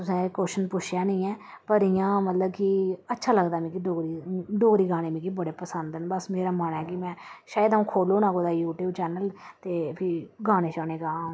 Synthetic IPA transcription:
t̪ʊsɛ̃ːkoːʃənpʊt͡ʃʰjaːnĩːɛː | pəɾɪjãːmət̪ləbkɪətːʃʰaːləɡd̪aːmĩkiɖoːɾiɖoːɡɾiːɡaːɽ̃eːmĩːkibəɽeːpəsənd̪ənbəsmeːɾaːmanɛːkimɛ̃ːʃaːjəd̪aũːkʰoːloːnãːkoːd̪aːjuːʈjuːb̚t͡ʃɛːnəlt̪eːpʰɪɡaːɽ̃eːt͡ʃaːneːɡaː

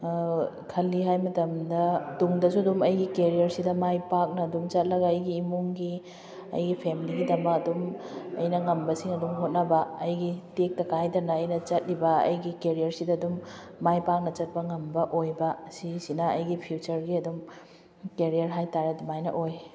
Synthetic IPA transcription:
kʰɐlːiɦajmɐtɐmdɐduŋdɐsuɐdumɐjɡikeɾijɐɾsidɐmajpak̚nɐɐdumt͡ʃɐt̚lɐɡɐɐjɡiːmuŋɡi | ɐ̰jɡipʰemiliɡidɐmɐkɐdumɐ̰jnɐŋɐmbɐsiŋɐdumɦot̚nɐbɐɐjɡitek̚tɐkajtɐnɐːjnɐt͡ʃɐt̚ɾibɐɐ̰jɡikeɾijɐɾsidɐːdumː | ajpak̚nɐt͡ʃɐt̚pɐŋɐmbɐʔojbɐsisinɐɐjɡipʰjut͡ʃɐɾɡiɐdum | keɾijɐɾɦajtaɾadumajnɐ̰ʔoj

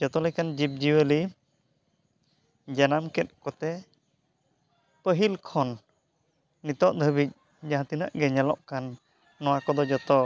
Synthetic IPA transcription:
d͡ʒɔt̪ɔlɛkand͡ʒip̚d͡ʒiwəli | d͡ʒanamkɛt̪̚kɔt̪ɛ | pəɦilkʰɔnː | it̪ɔʔd̪ʱəbic̪̚ˀ | d͡ʒãɦãt̪inəʔɡɛɲalɔ̰ʔkanː | ɔwakɔd̪ɔd͡ʒɔt̪ɔ

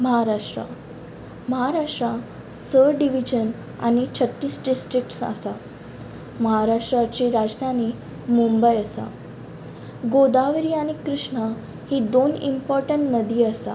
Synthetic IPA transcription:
məɦaɾaʂʈɾa̰ | məɦaɾaʂʈɾa | səɖiʋid͡ʑən | a̰ñit͡ɕʰət̪ːiːsɖisʈɾik̚ʈsa̰sa | məɦaɾaʂʈɾat͡ɕiɾad͡ʑd̪ʱaniː | mumbəjəsa̰ | ɡod̪aʋɾiːaɽ̃ikɾuʂɳa | hid̪onḭmpɔɾʈəɳʈnəd̪iːəsa

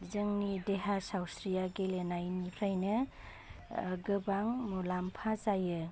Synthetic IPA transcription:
zɯŋnideɦasawsɾijaɡelenajnipʰɾajnɯ | ɡɯbaŋmɔlampʰazajɯ

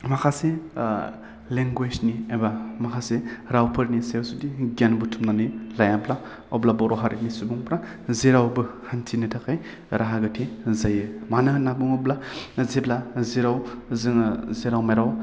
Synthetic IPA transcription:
makʰase | leŋɡwed͡ʒniebamakʰaseɾawpʰɯɾnisewsudiɡanbutʰumnanilajabla | ɔblabɔɾɔɦaɾitnisubuŋpɾa | zeɾawbɯhantʰinɯtʰakʰaj | ɾʔaɦaɡɯtʰizajɯmanɯɦnabuŋɔblazeblazeɾawzɯŋzeɾawmajɾaw

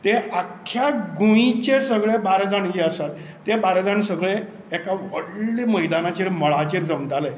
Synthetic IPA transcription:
t̪eakʰːjaɡuĩt͡ɕesəɡɭebaɾd͡zaɳjiəsat̪ːebaɾd͡zaɳsəɡɭe | ɛkaʋəɽliməjd̪anat͡ɕeɾməɭat͡ɕeɾd͡zəmd̪ale

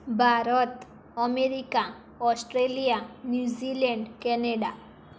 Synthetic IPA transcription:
bʱaɾɔt̪ | əmeɾika | ɔsʈɾelijanjud͡ʒileɳɖkɛneɖa

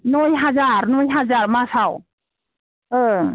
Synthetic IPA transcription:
nɔjɦazaɾnɔjɦazaɾmasaw | ɯ

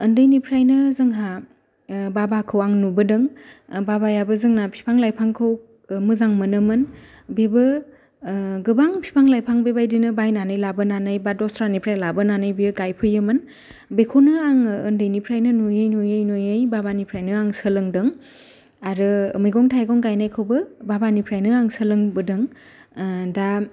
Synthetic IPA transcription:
ɯndɯjnipʰɾajnɯzɯŋɦa | babakʰɯwaŋnubɯdɯŋbabajabɯzɯŋnapʰi̥pʰaŋlajpʰaŋkʰɯw | mɯzaŋmɯnɯmɯn | bebɯ | ɡɯbaŋpʰi̥pʰaŋlajpʰaŋbebajdinɯbajnanɯjlabɯnanɯjbadɔstɾanipʰɾajlabɯnanɯjbiɯɡajpʰɯjɯmɯn | bekʰonɯaŋɯndɯjnipʰɾajnɯnojɯjnojɯjnojɯjbabanipʰɾajnɯaŋsɯlɯŋdɯŋ | aɾɯmɯjɡɔŋtʰajɡɔŋɡajnajkʰɯwbɯbabanipʰɾajnɯaŋsəlɯŋbɯdɯŋ | da

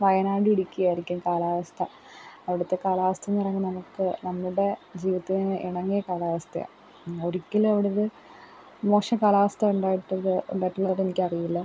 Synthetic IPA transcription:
ʋɐjɐnaːɽɨiɽikʲːujaːiɾikʲːumkaːlaːʋɐst̪ʰɐ | ɐʋiɽut̪ːe̞kaːlaːʋɐst̪ʰɐnːirɐŋːinɐmukːɨnɐmːuɽe̞d͡ʑiːʋit̪ːinɨʔiɳɐŋːijɐkaːlaːʋɐst̪ʰɐjɐ̰ | oɾikʲːilɐʋiɽeoðɨ | mo̞ːʂɐmkaːlaːʋɐst̪ɐuɳɖaːjiʈːɐðɨbeʈːɐɭɐðenikʲːɐrijilːɐ

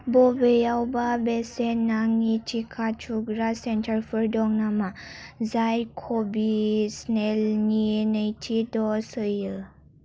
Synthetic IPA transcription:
bobəjawbabesenaŋit͡ʃʰikʰat͡ʃʰuɡɾasentʰəɾfʰəɾdɔŋnamazajkʰobisnelnienəjtʰid̪ɔsəjə

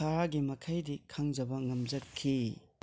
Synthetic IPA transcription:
aɾaɡimɐkʰajdikʰaŋd͡ʒɐbɐŋɐmzɐkʰːi

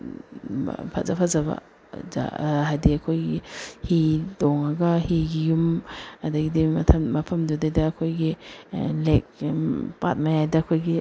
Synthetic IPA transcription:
pʰazapʰazaba̰ | za̰ɦajdiɐkʰojɡihidɔŋɐɡɐhiɡijumɐdɐɡidimɐtʰɐmːɐpʰɐmdudajdɐːkʰojɡilek̚pa̰t̚majajdɐːkʰojɡi

